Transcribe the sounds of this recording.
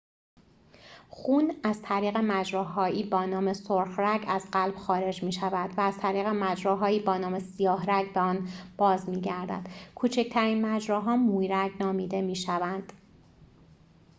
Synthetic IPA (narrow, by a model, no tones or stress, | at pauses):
xuːnæz̥t̪ʰæɾiːɣe̞mæd͡ʒɾɒːɦɒːʔiːbɒːnɒːmesoɾxɾæɟæzɢælb̥xɒːɾe̞d͡ʒmiːʃævæd̪̥væːz̥t̪ʰæɾiːɣemæd͡ʒɾɒːɦɒːiːbɒːnɒːmesijɒːhɾæɟbeɒːnb̥ɒːzmiːɟæɾd̪æ̰d̪̥kʰuːt͡ʃʰecʰt̪ʰæɾiːnmæd͡ʒɾɒːɦɒːmuːjɾæɟnɒːmiːd̪e̞miːʃævænd̪̥